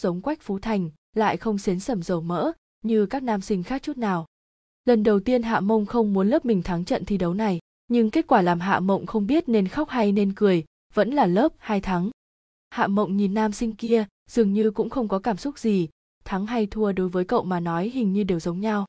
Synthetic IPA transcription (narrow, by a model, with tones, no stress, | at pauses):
zə˨˦wŋ͡mkwa˦˥jk̟̚fu˨˦t̪ʰa˨˩jŋ̟ | la̰ː˧˨jxə˧wŋ͡msi˨˦nsə˧˩mzə˨˩wmə̰ː˧˥ | ɲɨ˧kaː˦˥k̚naː˧msï˧ŋ̟xaː˦˥k̚t͡ɕu˦˥t̚naː˨˩w | lə˨˩nɗə˨˩wt̪i˧ənɦa̰ː˧˨mə˧wŋ͡mxə˧wŋ͡mmu˨˦ənləː˦˥p̚mï˨˩ŋ̟t̪ʰa˨˦ŋt͡ɕə̰˧˨nt̪ʰi˧˩ɗə˨˦wna˨˩j | ɲɨ˧ŋke˦˥t̚kwaː˧˩laː˨˩mɦa̰ː˧˨mə̰˧˨wŋ͡mxə˧wŋ͡mɓi˦˥ət̚ne˧nxa˦˥k͡p̚ha˧jne˧nkɨ˨˩əj | və̰˧˥nlaː˨˩ləː˦˥p̚haː˧jt̪ʰa˨˦ŋ | ha̰ː˧˨mə̰˧˨wŋ͡mɲi˨˩nːaː˧msï˧ŋ̟ki˧ə | z̥ɨ˨˩əŋɲɨ˧kʊ̰˧˥ŋ͡mxə˧wŋ͡mkɔ˨˦kaː˧˩msʊ˦˥k͡p̚z̥i˨˩ | t̪ʰa˨˦ŋɦa˧jt̪ʰu˧əɗo˨˦jvəː˨˦jkə̰˧˨wmaː˨˩nɔ˨˦jhï˨˩ŋ̟ɲɨ˧ɗe˨˩wzə˨˦wŋ͡mɲa˧w